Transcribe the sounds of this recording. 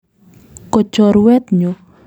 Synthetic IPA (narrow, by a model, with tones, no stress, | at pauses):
kɔ˨t͡ʃɔ˨ɾwɛ˦t̪̚ɲo˨